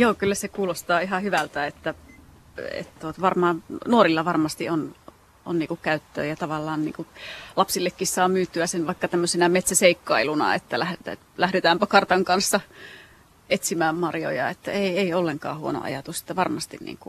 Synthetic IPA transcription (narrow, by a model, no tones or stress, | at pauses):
joːkylːæsekuːlost̪ɑːihɑhyʋælt̪æet̪ːæ | ḛt̪t̪uot̪ʋɑrmɑːnnuorilːɑʋɑrmɑst̪ion | ʔo̰nniːkukkæyt̪ːø̰ːjɑt̪ɑʋɑlːɑːnnḭːkulɑpsilːekːissɑːmyːt̪ːyæsenʋɑikːɑt̪æmːøsenæmet̪sæseikːɑilunɑ̰ḛt̪ːælæhetː | læhɾet̪æːmpɑkɑrt̪ɑŋkɑnsːɑ | et̪simæːmmɑrjo̰jɑ̰et̪ːæ̰eieiolːeŋkɑ̰ːhuono̰ʔɑ̰jɑt̪use̥t̪ːæʋɑrmɑst̪innḭːŋkṵ